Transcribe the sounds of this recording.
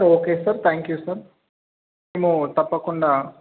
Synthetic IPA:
ɾoːkeːsɐɾt̪ʰaːŋkjuːsɐɾ | eːmut̪ɐpːɐkuɳɖaː

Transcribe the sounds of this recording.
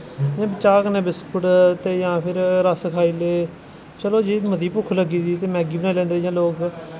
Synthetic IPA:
ãːbət͡ʃaːkənẽːbɪspʰʊʈt̪eːjãːpʰɪɾɾəskʰaːiːleː | t͡ʃəloːd͡ʒiːməd̪iːpʊkʰləɡiːd̪iːt̪eːmɛ̃ːɡiːbnẽːlɛ̃ːnd̪eːjãːloːk

